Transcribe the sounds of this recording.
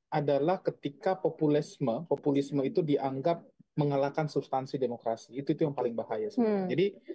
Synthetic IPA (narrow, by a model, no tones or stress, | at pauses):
ʔadalahkət̪ikapopulisməpopulisməit̪udiʔaŋɡap̚məŋalakansubst̪ansidemokɾasiːt̪uit̪ujaŋpalɪŋbahajasəəd͡ʒadi